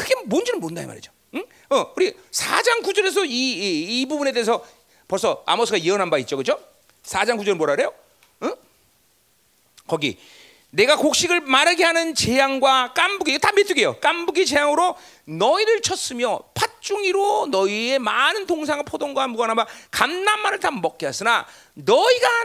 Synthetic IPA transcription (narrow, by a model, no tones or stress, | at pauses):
kɯɡe̞mond͡ʑinɯnmondaḛma̰ɾḭd͡ʑo | ʌuɾi | sʰa̰d͡ʑaŋkud͡ʑʌɾe̞s̬ʰʌiːbubune̞de̞es̬ʰʌ | pʌɭs͈ʌa̰mosʰɯɡaiɾʌnɦanbait̚t͡ɕ͈okɯd͡ʑo | sʰad͡ʑaŋkud͡ʑʌɾɯɭmoɾaɾejo | kʌɡḭ | ne̞ɡakok̚ɕ͈iɡɯɭmaɾɯɡeɦanɯnt͡ɕe̞jaŋɡwak͈ambuɡitametʰɯɡe̞jok͈ambuɡit͡ɕe̞jaŋɯɾo | nʌiɾɯɭt͡ɕʰʌs͈ɯmjʌpʰat̚t͡ɕ͈uŋiɾonʌie̞manɯntoŋsʰaŋɯɭpʰodoŋɡwaɦmbuɡanɦanbakamnammanɯɭtamʌk̚k͈eas͈ɯna | nʌiɡa